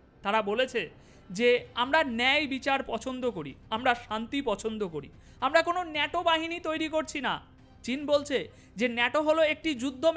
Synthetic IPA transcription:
t̪aɾabolet͡ɕʰe | d͡ʑeamɾanɛjbit͡ɕaɾpɔt͡ɕʰond̪okoɾḭamɾaʃant̪ipɔt͡ɕʰond̪okoɾḭ | amɾakononɛʈobaɦinit̪ojɾikoɾt͡ɕʰina̰ | t͡ɕinbolt͡ɕʰe | d͡ʑenɛʈoɦoloek̚ʈid͡ʑud̪ʱːom

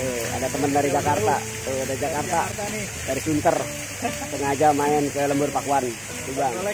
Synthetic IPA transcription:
tua̰dat̪əməndaɾid͡ʒakart̪a | t̪uadad͡ʒakart̪a | daɾisunt̪ər | səŋad͡ʒamaɛnsajaləmbʊrpakuan | tuɡaŋ

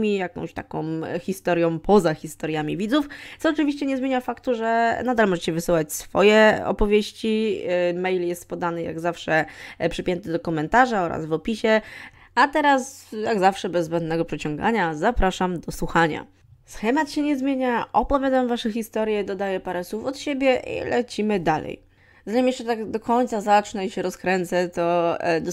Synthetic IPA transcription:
mʲijakɔ̰̃w̃ɕt̪akɔ̰̃w̃xʲist̪ɔɾjɔ̃w̃pʰɔzaxʲist̪ɔɾjamʲivʲid̪zuft̪sɔːt͡ʂɨvʲiɕt͡ɕɛɲɛzmʲjeɲafakt̪uʐɛnad̪almɔʐɛt͡ɕɛvɘsɨwat͡ɕsfɔ̰jɛɔ̰pɔvʲjeɕt͡ɕimɛjljɛst̪pɔd̪anɘja̰ɡzafʂɛpʂɨpʲjɛnt̪ɘd̪ɔkɔmɛnt̪aʐaɔɾa̰zvɔpʲiɕɛ | at̪ɛɾasjaɡzafʂɛbɛzːbɛnd̪nɛɡɔpʂɛt͡ɕɔ̃ŋɡa̰ɲazapɾaʂamd̪ɔswuxaɲa̰ | sxɛmat̪ɕɛɲɛzmʲjeɲaʔɔpɔvʲjad̪amvaʂɛxʲist̪ɔɾʲjɛd̪ɔd̪ajɛpaɾɛswufɔt̪ɕebʲjɛʔḭlɛt͡ɕimɘd̪alɛ̰j | zaɲimjɛʂt͡ʂɛt̪aɡd̪ɔkɔɲt̪sazat͡ʂnɛiɕɛɾɔskɾɛnt̪sɛt̪ɔd̪

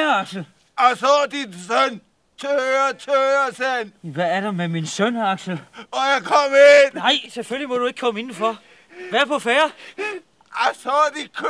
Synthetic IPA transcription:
ɑɡ̥sl̩ | aɪsɔːd̥insøn | t͡sʰøɐt͡sʰøɐsænʋæːɐɾ̥ɑmeminsœnɑɡ̥sl̩ɔjaɪkʰɒmennɑ̈ɪ̰seføllimɔd̥ue̝ɡ̥̚kʰɒ̽məe̝nn̩fɒ | ʋæɐpʰɒ̽fæːɐ | aɪsɔːdikʰ

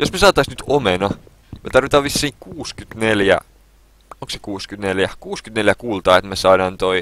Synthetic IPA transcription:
josmesɑːt̪ːɑisnyt̪omenɑ | met̪ɑrʋit̪ɑːʋʋisːiːŋkuːskyt̪neljæ̰ | oŋkse̥kuːskyt̪neljækuːskyt̪neljækuːlt̪ɑːet̪mæsɑːdɑːnt̪oi

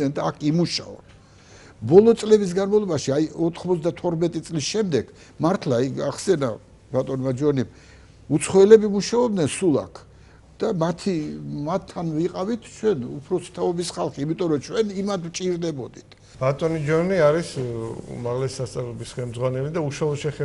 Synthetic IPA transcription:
ɛnd̪aːkʰimuʃa̰ɔ̰ | bɔlˠɔt̪sʼlɛbis̬ɡanmavlˠɔbaʃiajɔt̪ʰχmɔt̪sd̪at̪ʰɔɾmɛt̪ʼit̪sʼlisʃɛmd̪ɛɡ̥ | maɾt̪ʰlaiɡaχsɛna | bat̪ʼɔnmad͡ʒɔnim | ut̪sʰχɔɛlɛbimuʃaɔb̚d̪nɛnsulˠa̰kʰ | d̪̥amat̪ʰimat̪ʰːanviqʼavit̪ʰt͡ʃʰwɛnṵpʰɾɔsi̥t̪ʰaɔbisχalˠχiːmit̪ʼɔɾɔt͡ʃʰwɛnimat̪ʰvt͡ʃʼiɾd̪ɛbɔd̪it̪ʰ | b̥at̪ʼɔnid͡ʒɔniaɾisṵmaʁlɛsːast̪sʼavlɔbisχɛlmd̪zʁwanɛlid̪auʃwalˠɔʃɛχɛ

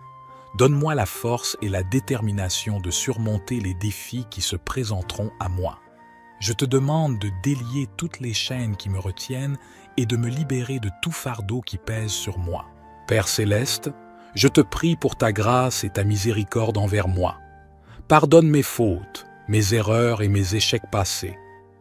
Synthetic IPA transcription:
d̪ɔnmwalafɔʁselad̪et̪ɛʁminasjɔ̃d̪əsyʁmɔ̃t̪eled̪efikʲisəpχezɑ̃t̪χɔ̃amwa̰ | ʒət̪əd̪əmɑ̃d̪ːəd̪eljet̪ut̪leʃɛnkʲiməʁət̪jɛn | ed̪əməlibeʁed̪ət̪ufaʁd̪okʲipɛzsyʁmwa̰ | pɛʁselɛst̪ | ʒət̪əpχipuʁt̪aɡʁaset̪amizeʁikɔʁd̪ɑ̃vɛʁmwa̰ | paʁd̪ɔnmefot̪ | mezeʁœːʁemezeʃɛk̚pasḛ

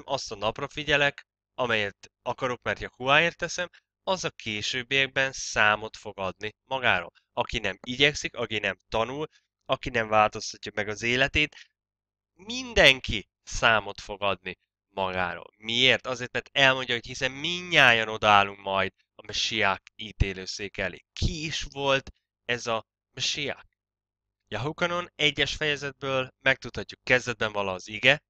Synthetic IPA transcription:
mʔɒst̪ɒnɒprɒfiɟɛlɛk | ɒmɛjɛt̪ɒkɒɾokmɛrt̪jɒkuaːeːrt̪ːɛsɛm | ɒzɒkʰeːʃøːbːijɛɡ̚bɛnsaːmo̞t̪fo̞ɡɒd̪nimɒɡaːɾo̰ːl | ɒkinɛmiɟɛksikɒkinɛmt̪ɒnul | ɒkinɛɱvaːlt̪o̞st̪ɒcːɒmɛɡɒzeːlɛt̪eːt̪ | mind̪ɛŋki | saːmo̞t̪fo̞ɡɒd̪ni | mɒɡa̰ːɾo̰ːlmieːrt̪ɒzeːrt̪̚mɛrt̪ɛlmo̞ɲɟɒɦo̞chisɛmmiɲːaːjɒno̞d̪ɒaːlːuŋkmɒjd̪ | ɒmɛʃijaːkiːt̪eːløːseːkɛlḛːkʰiːʃvo̞lt̪ | ɛzɒ | mɛʃija̰ːk | jaɦukɒno̞nɛɟːɛʃfɛjɛzɛd̪̚bøːlmɛk̚t̪ut̪hɒcːukːɛzd̪ɛd̪̚bɛɱvɒlɒːziɡɛ

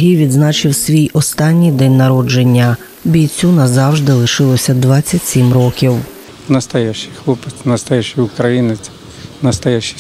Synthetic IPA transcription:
ɦʲijʋʲid̪znɑt͡ʃɪwsʲʋʲijɔst̪ɑnʲːijd̪ɛnʲnɐɾɔd͡ʒe̞nʲːɐ | bʲijt͡sʲunɐzɑwʒd̪ɪlˠɪʃɪlˠɔsʲɐd̪ʋɑt͡sʲːɐtʲsʲimrɔkʲiw | nɐst̪ɐjɛʃɪ̥xlˠɔpɪt͡s̪ʲnɐst̪ɐjɛʃiʊkɾɐjinɪt͡sʲ | nɐst̪ɐjɛʃi̥

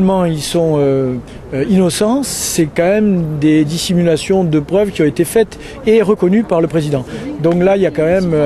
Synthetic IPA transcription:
lmɑ̃ilsɔ̃ø | inɔsɑ̃sɛkɑ̃mɛmd̪ed̪isimylasjɔ̃d̪əpχœvkʲiɔ̃et̪efɛt̪ | eʁəkɔnypaʁləpχezid̪ɑ̃d̪ɔ̃klailjakɑ̃mɛmø

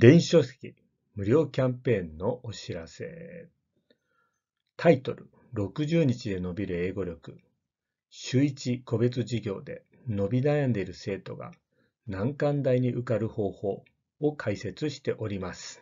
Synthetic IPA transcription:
d̪ẽ̞ɰ̃ɕo̞se̥kʲi | mɯ̟ɾʲo̞ːkʲãmpẽ̞nːo̞ʔoɕiɾase̞̰ | t̪ʰait̪o̞̰ɾɯ̟ | ɾo̞kɯ̟ʑɨːɲ̟it͡ɕid̪e̞no̞bʲiɾɯ̟e̞ːɡo̞ɾʲo̞kɯ | ɕɨːit͡ɕiko̞be̞t͡sɨʑiɡʲo̞ːd̪e̞ | no̞bʲinajãnd̪e̞ɾɯ̟se̞ːt̪o̞ɡa̰ | nãŋkãnd̪aiɲ̟iʔɯkaɾɯ̟ho̞ːho̞ː | okʰaise̞t͡sɨɕi̥t̪e̞ʔo̞ɾʲimasɨ̥

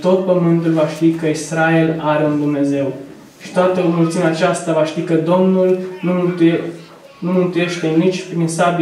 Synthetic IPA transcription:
t̪o̞t̪̚pəmɨnt̪ulvaʃt̪ikəisɾae̞laɾeund̪umne̞ze̞w | ʃi̥t̪oat̪əomult̪sineat͡ʃast̪avaʃt̪ikəd̪o̞mnulnut̪ | numɨnt̪uje̞ʃt̪e̞nit͡ʃʲpɾinsab

